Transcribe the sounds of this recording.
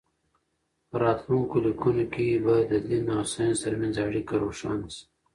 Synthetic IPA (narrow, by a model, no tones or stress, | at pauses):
pəɾɑːt̪luŋkolikunokebad̪əd̪inːɑːsajnzt̪əɾmanzaɽikaɾoːʃɑːnsi̥